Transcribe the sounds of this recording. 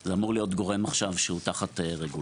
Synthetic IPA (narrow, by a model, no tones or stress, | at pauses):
zeamuʁlijo̞tɡo̞ʁe̞maχʃavʃehutaχateʁeɡu